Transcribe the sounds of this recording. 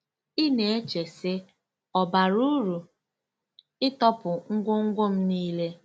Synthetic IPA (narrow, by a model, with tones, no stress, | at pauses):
ɪ˦ne˨e˦t͡ʃe˨sɪ˦ | ɔ˨ba˨ɾu˦ɾu˨ | ɪ˦tɔ˦pʊ˨ŋ̩˦ɡʷʊ˦ŋ̩˦ɡʷo˦m̩˦niː˦le˦